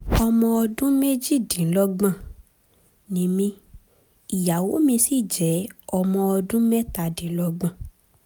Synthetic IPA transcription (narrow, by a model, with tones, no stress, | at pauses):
ɔ˧mɔ̃˧ɔ˧dũ˦me˦d͡ʒi˦˨dĩ˨˦lɔ˦ɡ͡bã˦˨ | nĩ˨˦mĩ˧˦ | i˨ja˨wo˨˦mĩ˧si˦˨d͡ʒɛ˨˦ɔ˧mɔ̃˧ɔ˧dũ˦mɛ˦ta˧˨dĩ˨˦lɔ˦ɡ͡bã˦˨